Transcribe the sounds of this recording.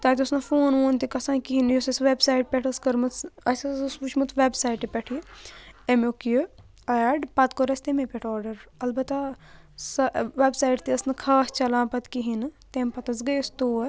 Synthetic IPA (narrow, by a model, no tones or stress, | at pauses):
t̪aːt̪ʲiɐsnɐfoːnoːnt̪ikɐsãːkiɦinjosɐsʋebsaːjʈ̚pʲeʈʰɐskɐɾmɐɐsɐsput͡ʃʰmɐt̪ʰʋebsaːjʈipʲɐʈʰi | emokij | ɐjɐɖpɐt̪koɾɐsʲt̪emepʲeʈʰɔːɾɖɐɾɐlbɐt̪a | sɐʋebsaːjʈt̪iɐsnɨkʰaːst͡ʃɐlãːpɐt̪kiɦint̪empɐt̪ɐsɡɐjst̪oː